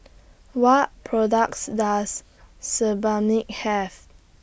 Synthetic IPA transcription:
wɔt̚pʰɹɔdak̚sdasː | əbanik̚hɛv

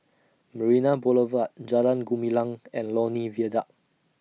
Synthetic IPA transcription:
məɹinaboləvat̚d͡ʒalãnɡumilãŋɛ̃nlɔniviədaʔ̚

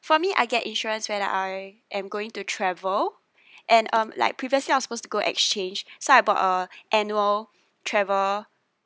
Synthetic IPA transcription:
fɔmiʔa̰ɪɡɛtĩnʃɔɹə̃nswɛdə̰ʔaɪ | ʔɛ̃mɡoɪ̃ŋtutʰɹɛvəl | ʔɛ̃nʔʌ̃mla̰ɪk̚pʰɹiviəsliawɔsəpostuɡoʔɛ̰kst͡ʃẽnd͡ʒsoaɪbɔtəʔɛnuəl | tʰɹɛvəl

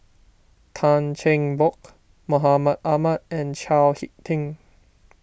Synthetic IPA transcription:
t̪ʰant͡ʃʰẽŋbok | moɦamat̪̚ʔamat̪̚ɛ̃nt͡ʃʰaːlhitt̪ʰːĩŋ

